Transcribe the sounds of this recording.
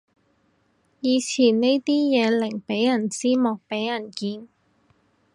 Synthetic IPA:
jiː˨˧t͡sʰiː˨˩nne˥jt̪iː˥jɛː˨˧lɪ˨˩ŋpe˨˥jːɐ˨˩nt͡siː˥mɔː˨k̚pe˨˥jjɐ˨˩nkiː˧n

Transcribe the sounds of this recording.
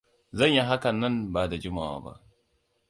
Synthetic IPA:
zɐ˦˨ɲji˦ɦa˦kɐ˨nːɐ˦˨mbaː˨da˨d͡ʒʊ˦maː˨wa̰ː˦ba̰˦ʔ

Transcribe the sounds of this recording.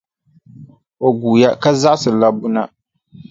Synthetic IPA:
o˨ɡuː˨ja˦ka˦za˦ʔsɨ˨la˦bʊ˦na˦

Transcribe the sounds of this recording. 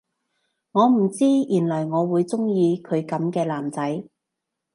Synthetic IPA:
ŋɔː˨˧m̩˨˩t͡siː˥jyː˨˩nlɐ˨˩jŋɔː˨˧wuː˨˧jt͡sʊ˥ŋjiː˧kʰɵ˨˧ɥkɐ˨˧˥mkɛː˧laː˨˩mt͡sɐ˨˥j

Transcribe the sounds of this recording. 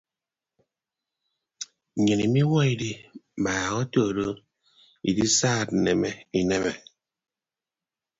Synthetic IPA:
ɲe˨ni˨mi˦wɔ˦i˨di˦˨ma˨ɣɔ˦to˦˨ɾo˦ | ḭ˨di˦saː˦˨t̩˨nɛ˨mɛ˦i˨nɛ˦mɛ˨

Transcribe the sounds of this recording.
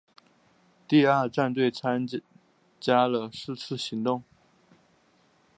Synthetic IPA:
t̪i˥˧a˞˥˧ʈ͡ʂa˥˧nt̪̬we˥˩ɪt͡sʰa˥n | t͡ɕja˥lə˨ʂɻ̩˥˧t͡sʰɹ̩˥˩ɕi˨˧˥ŋt̪ʊ˥˩ŋ

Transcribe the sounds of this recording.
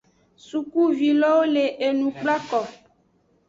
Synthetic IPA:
su˨ku˦vi˨lɔ˦wo˦le˨ʔe˨nũ˨k͡pla˦kɔ˨

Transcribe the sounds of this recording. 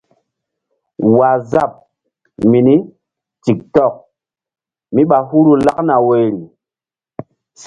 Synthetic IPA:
wa˨za˦˨p̚ | mi˨ni˦ | ti˨k̚tɔ˦˨k̚ | mi˦ɓa˨hu˦ɾu˨la˦kna˨we˨ɾi˨

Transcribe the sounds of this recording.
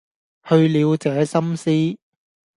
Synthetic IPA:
hɵ˧ɥliː˨˧wt͡sɛː˨˧sɐ˥msiː˥

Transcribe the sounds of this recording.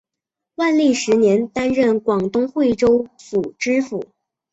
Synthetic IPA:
wa˥˧nli˥˩ʂɻ̩˧˥njɛ˧˥nt̪a˥nɻə˥˩nkwɑ˨˩ŋt̪ʊ˥ŋxwe˥˩ɪʈ͡ʂo˥ʊfu˨˩ʈ͡ʂɻ̩˥fu˨˩˦

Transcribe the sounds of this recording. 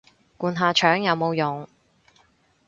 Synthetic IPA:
kuː˨nɦaː˨˧t͡ʃʰœː˨˥ŋjɐ˨˧wmo˨˧wjʊ˨ŋ

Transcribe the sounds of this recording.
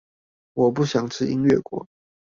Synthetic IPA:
wɔ˨˩p̬u˥˩ɕjɑ˨˩ŋʈ͡ʂ̩ʰ˥˩ḭ˥ŋɥɛ˥˩kwɔ̰˧˥˦

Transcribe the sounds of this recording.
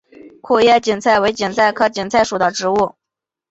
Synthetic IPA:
kʰu˥˧jɛ˥˩t͡ɕi˨˩nt͡sʰa˥˩ɪwe˧˥ɪt͡ɕi˨˩nt͡sʰa˥˩ɪkʰɤ˧˥t͡ɕi˨˩nt͡sʰa˥˩ɪʂu˨˩d̪ə˦ʈ͡ʂɻ̩˧˥u˥˩

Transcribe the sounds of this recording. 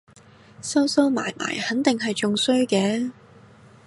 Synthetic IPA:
sɐ˥wsɐ˥wma̰ː˨˩jma̰ː˨˩jhɐ˨˥nt̪ɪ˨ŋɦɐ˨jt͡sʊ˨ŋsɵ˥ɥkɛː˨˥

